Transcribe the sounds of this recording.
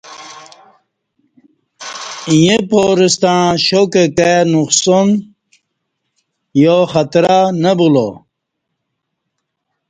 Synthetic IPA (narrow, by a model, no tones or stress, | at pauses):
ijepoɾist̪ãːɕokekenuqson | joχat̪ɾanɐbulo̰